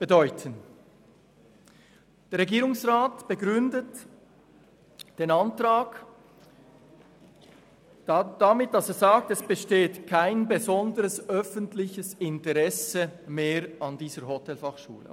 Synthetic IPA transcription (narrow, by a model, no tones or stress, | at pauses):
b̥ədɔʏtʰən | d̥eːʁeɡiːʁʊŋsʁaːtb̥əɡʁʏndət | d̥eːnantraːɡ | d̥amɪt̚d̥ɑseːzaːk̚tɛsb̥əʃteːtkʰaɪnbəzɔndəɾəsœfəntlɪçəsɪntəʁɛsəmeːɾɑndiːzəɾhotɛlfɑχʃṵːlə̰